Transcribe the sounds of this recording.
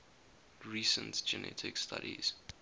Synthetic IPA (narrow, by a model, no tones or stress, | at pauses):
ɹiːsə̃ntd͡ʒɛnʔɛ̰tʰɪkstʰa̰ɾḭz̥